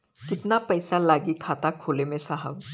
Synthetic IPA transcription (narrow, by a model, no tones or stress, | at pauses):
kɪt̪napɐjsalaːɡikʰaːt̪akʰoːlemẽsaɦəʋ